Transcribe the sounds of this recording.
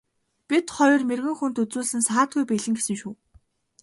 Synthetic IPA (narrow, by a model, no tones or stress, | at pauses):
pʲit̪χɔjɞ̆rmerɣɘ̆ŋxunt̪ɵt͡suːɮɘ̆nsaːt̪̚ɡujpeɮɘ̆ŋɡesɘ̆ŋʃuː